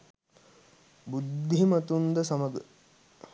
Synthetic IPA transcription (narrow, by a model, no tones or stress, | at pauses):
bud̪ʱimɐt̪und̪əsaməɡə